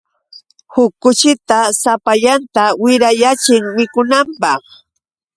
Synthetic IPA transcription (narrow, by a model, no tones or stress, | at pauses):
hʊkːʊt͡ʃɪt̪asapaʎant̪awɪɾajat͡ʃɪŋmɪkʊnampɑχ